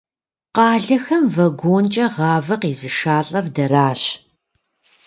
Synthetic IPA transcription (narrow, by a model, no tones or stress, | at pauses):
qɑːɮɐxɐmvɐɡʷoːnt͡ʃʼɐʁɑːvɐqiːzɨʂaːɬʼɐrdɐɾaːɕ